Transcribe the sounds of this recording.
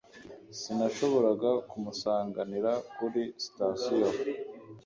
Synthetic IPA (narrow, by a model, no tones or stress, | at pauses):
sinaʃo̞βo̞ɾaɡakumusaːŋɡaniɾakuɾisi̥tasijo